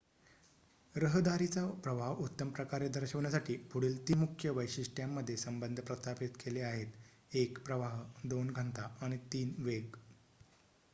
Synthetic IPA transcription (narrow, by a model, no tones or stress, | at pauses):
ɾəɦd̪aɾit͡sapɾəbʱaʋut̪ːəmpɾəkaɾed̪ʱəɾɕəʋɳjasaʈiːpuɽ̤iːlt̪iːmukʰjəʋəjɕiʂʈjamːəd̪ʱːjesəmbənd̪ʱəpɾəst̪ʰapit̪kʰeleaɦet̪ | ekpɾəʋaɦd̪onɡʱənt̪aaɽ̃it̪iːnʋeɡ